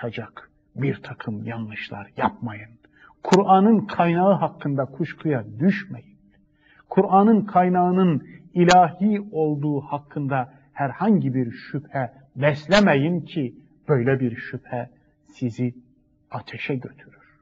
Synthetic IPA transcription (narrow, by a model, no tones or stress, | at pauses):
ad͡ʒak | biɾt̪ʰakʰɯmjanlˠɯʃlˠa̰ɾjap̚majɯn | kʰuɾʔanɯnkʰajnaɯɦakʰːɯnd̪akʰuʃkʰɯjad̪yʃmæjin | kʰuɾʔanɯnkʰajnaɯnɯnilʲaːɦio̞lˠd̪uːhakʰːɯnd̪a | hæɾhaɲɟibiɾʃyphɛ | bɛslʲæmæjincʰi | b̥ø̞jlʲɛbiɾʃyphɛ | sizi | at̪ʰɛʃɛɟø̞t̪ʰyɾyɾ̥